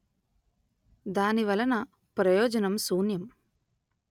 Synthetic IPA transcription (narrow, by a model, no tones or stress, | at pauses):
d̪aːniʋɐlɐnɐ | pɾɐjɔːd͡ʒɐnɐmsuːnjɐm